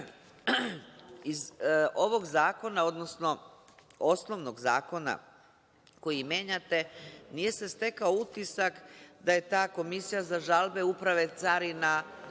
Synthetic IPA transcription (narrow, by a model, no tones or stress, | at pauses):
izo̞ʋo̞ɡzaːko̞nao̞d̪no̞sno̞ | osno̞ʋno̞ɡza̰ːko̞na̰ | ko̞jimje̞ɲat̪e̞nije̞se̞st̪e̞kaout̪isakd̪aje̞t̪aːko̞misijazaʒalbe̞upɾaʋe̞t̪saɾina